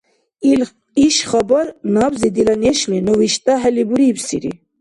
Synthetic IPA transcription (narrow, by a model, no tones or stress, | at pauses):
iʃχɑbɔɾnɑbzid̪ilaneʃlinɔwiʃt̪aɦɛlibuɾibsḭɾḭ